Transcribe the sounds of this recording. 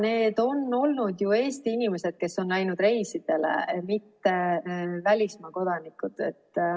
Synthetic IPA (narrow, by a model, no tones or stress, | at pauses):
ne̞ːd̪̥o̞nːo̞lnud̪̥jue̞ːst̪iinime̞se̞d̪̥̚ke̞sːo̞nlæjnud̪̥re̞jsid̪̥e̞lḛmit̪ːe̞vælʲismɑko̞d̪̥ɑnikːˑud̪̥ḛt̪ː